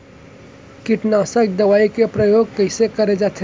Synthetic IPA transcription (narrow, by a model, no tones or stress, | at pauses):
kiʈnasəkd̪əʋaːikepɾəjoɡ̚kəɪsekəɾed͡ʒat̪ʰe